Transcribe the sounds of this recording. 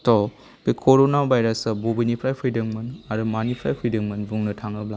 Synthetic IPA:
tɔ | bikʰoɾonabʱajɾɐsɐbobinipʰɾajpʰɾijdɐŋmɐnaɾumanipʰɾajpʰɾidɐŋmɐnbuŋnɐtʰaŋɐbla

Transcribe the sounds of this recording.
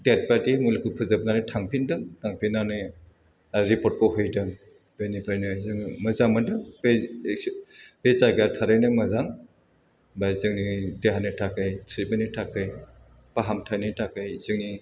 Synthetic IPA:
det̚patimulekʰut̚pʰɯzab̚nanɯjtʰaŋpʰindɯŋtʰaŋpʰinːanɯj | ɾipɔt̚pɔɦɯjdɯŋ | b̥enipɾajnɯzɯŋmɐzaŋmɯdɯŋbe | bezaɡatʰaɾajnɯmɐzaŋ | bajzɯŋnideɦanɯtʰakɯjtʰɾibenitʰːakʰɯj | paɦamtʰajnitʰakɯjzɯŋni

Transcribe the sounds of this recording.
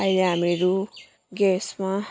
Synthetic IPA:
ajɾeɦameɾu | ɡesma

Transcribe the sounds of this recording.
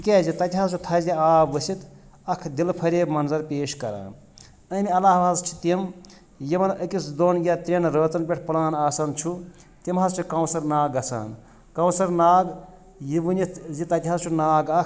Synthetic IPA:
ikʲezit̪ɐt̪ʲiɦɐzt͡ʃʰut̪ʰɐziaːbʋɐsit̪ | ɐkʰd̪ilpʰɐɾʲeːbmɐnzɐɾpʲeːʃkɐɾa̰ː | ɐmʲiɐlaːɦʋɦɐzt͡ʃʰi̥t̪im | jiʋɐnɐkisd̪onɡʲat̪ɾʲenɾəːt̪ɐnpʲeʈʰpulaːnaːsɐnt͡ʃʰu | t̪imɦɐzt͡ʃʰikɐwsɐɾnaːɡɐsa̰ːn | kɐ̃wsɐɾnaːɡ | jiʋɨnizit̪ɐt̪ʲiɦɐzt͡ʃʰunaːɡɐkʰ

